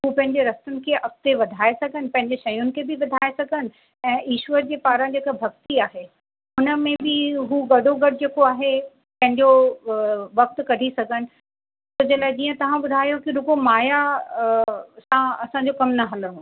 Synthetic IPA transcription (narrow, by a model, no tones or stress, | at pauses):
ɦuːpɐ̃ɦɪ̃ɲ̆d͡ʑeɾɐst̪ʊnɪ̆kʰeʔɐft̪eʋɐd̪ʱaːesɐɡʱənɪ̆pɐ̃ɦɪ̃ɲ̆d͡ʑeʃɐjʊnɪ̆kʰebɪʋɐd̪ʱaːesɐɡʱənɪ̆ | ɛ̃ːʔiːʃʋəɾd͡ʑeːpaːɾə̃nd͡ʑeːkabʱɐɡt̪iaːɦe | ʊnəmẽbɪɦuːɡɐɖʱoɡɐɽd͡ʑeːkoaːɦe | pɐ̃ɦɪ̃ɲd͡ʑo | ʋɐk̚t̪kɐɽʱisɐɡʱənɪ̆ | sʊd͡ʑɐlaːɪd͡ʑiːə̃t̪ɐʋ̤ãbʊd̪ʱaːjokiɾʊkomaːja | sãɐsãɲ̆d͡ʑokɐmnɐɦɐləɾũ